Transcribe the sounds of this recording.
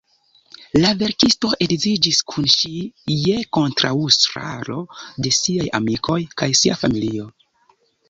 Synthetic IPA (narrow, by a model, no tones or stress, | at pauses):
lave̞ɾkisto̞ʔe̞ɡzid͡ʒiskʰunʃije̞ko̞ntɾaustɾa̰lo̞de̞siaja̰mikʰo̞jkajsiafamilio̞